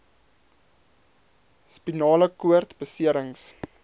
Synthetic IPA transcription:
spinɑːləkuərtbəsiəɾəŋs

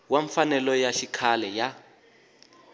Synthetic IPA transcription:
waɱfanɛlɔjaʃikʰalɛja

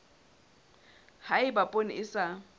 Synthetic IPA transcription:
haɪbapʼonɪ̰ɪsa

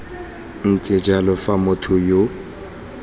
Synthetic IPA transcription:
n̩tʼɪd͡ʒalɔfamʊtʰʊjo

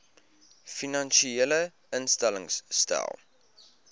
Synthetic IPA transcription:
finɐnʃielə | ənstæləŋsːtæ̰lˠ

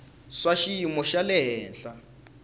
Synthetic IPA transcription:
swaʃijimɔʃalɛɦɛːnɬa

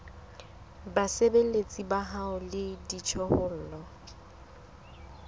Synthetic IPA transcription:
basebelet͡sʼibaɦaʊlɪdit͡ʃʰɔhʊl̩ːlɔ

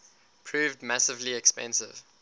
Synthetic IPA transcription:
pʰɹ̥ʉːvdmasɪvliɛkspɛ̰̃nsɪv̥

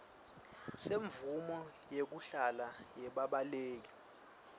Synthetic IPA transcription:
seɱvumɔjek̬uɬalajɛɓaɓaleːk̬i̥

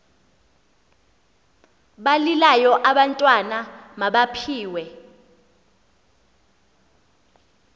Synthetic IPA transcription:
ɓalilajɔʔaɓantʼwanamaɓapʰiːwɛ

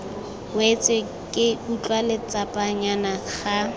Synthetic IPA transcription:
wɛt͡sʼɛ | kʼɪut͡ɬʼwalɪt͡sʼapʼaɲanak͡xʰa

